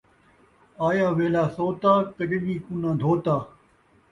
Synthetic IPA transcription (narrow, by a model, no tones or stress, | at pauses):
aːjaːʋeːlaːsoːt̪aːkɐʈɗiːkʊnãːd̪ʱoːt̪aː